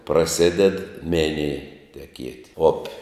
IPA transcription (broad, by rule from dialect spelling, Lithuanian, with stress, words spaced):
prɐˈsʲɪdʲɛt ˈmʲɪnʲɪj tʲɛˈkʲiɛtʲ ˈoːpʲɪ